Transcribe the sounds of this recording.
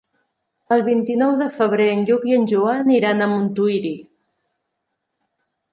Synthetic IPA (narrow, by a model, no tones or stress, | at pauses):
əlˠβint̪inɔwðəfəβ̞ɾeənʎukiənʲʒuaniɾanəmunt̪uiɾi